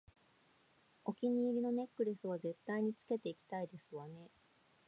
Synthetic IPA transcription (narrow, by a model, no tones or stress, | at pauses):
o̞kʲiɲ̟iːɾʲino̞ne̞kːɯ̟ɾʲisɨβ̞aze̞t̪ːaiɲ̟it͡sɨ̥ke̞t̪e̞ikʲi̥t̪aid̪e̞sɨβane̞